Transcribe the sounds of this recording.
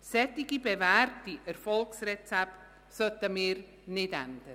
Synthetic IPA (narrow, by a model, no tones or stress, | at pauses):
sɛt̪ːiɡibeværtiʔɛɾfɔlksrɛt͡sɛpt | sœt̪əmɪːɾ | nɪdænd̥ə